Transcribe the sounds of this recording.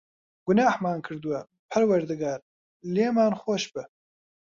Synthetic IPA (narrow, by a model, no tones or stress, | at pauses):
ɡʊnaːhmaːnkʰɨɾd̪uwɐ | pʰɐɾwɐɾd̪ɨɡaːɾ | leːmaːnxoːʃbɨ